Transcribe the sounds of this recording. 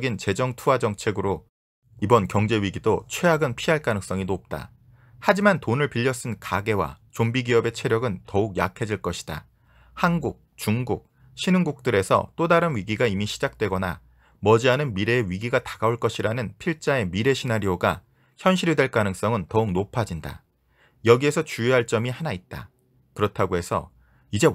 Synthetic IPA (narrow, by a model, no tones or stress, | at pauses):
ɡint͡ɕe̞d͡ʑʌŋtʰuad͡ʑʌŋt͡ɕʰe̞ɡɯɾo | ibʌnkjʌŋd͡ʑe̞ɥiɡidot͡ɕʰwe̞aɡɯnpʰiɦaɭk͈anɯŋs͈ʌŋinop̚t͈a̰ | had͡ʑimantonɯɭpiʎːʌs͈ɯnkaɡe̞wa̰t͡ɕombiɡiʌbe̞t͡ɕʰe̞ɾjʌɡɯntʌuk̚ja̰kʰe̞d͡ʑiɭk͈ʌɕʰi̥d̥a̰ | hanɡuk̚t͡ɕuŋɡuk̚ | ɕʰinɯŋɡuk̚t͈ɯɾe̞sʰʌ̰t͈odaɾɯnɥiɡiɡaimiɕʰid͡ʑak̚t͈we̞ɡʌna̰ | mʌd͡ʑiɦanɯnmiɾe̞ːɥiɡiɡatḁɡaoɭk͈ʌɕʰiɾanɯnpʰiɭt͡ɕ͈ae̞miɾe̞ɕʰinaɾioɡa | çjʌnɕʰiɾidwe̞ɭk͈anɯŋs͈ʌŋɯntʌuk̚nopʰad͡ʑinda̰ | jʌɡie̞sʰʌt͡ɕujɦaɭt͡ɕ͈ʌmihanait̚t͈a̰ | kɯɾʌtʰaɡoɦe̞sʰʌ̰ | id͡ʑe̞